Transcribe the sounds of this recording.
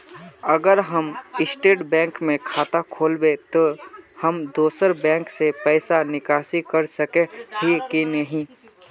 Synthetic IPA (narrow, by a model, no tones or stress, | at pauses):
ɐɡəɾɦəmɪsʈeːʈbɛ̃ːŋkmẽkʰaːt̪akʰoːlbet̪ohəmd̪oːsəɾbɛ̃ːŋksepɛɪsanɪkaːsikɐɾsɐkeɦikinəɦĩ